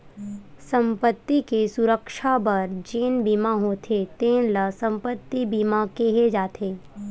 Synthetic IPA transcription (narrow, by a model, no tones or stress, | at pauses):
sə̃mpət̪ːikesʊɾəkʃabɐɾd͡ʒeːnbiːmãɦoːt̪ʰet̪eːnləsə̃mpət̪ːibiːmakeɦed͡ʒaːt̪ʰeː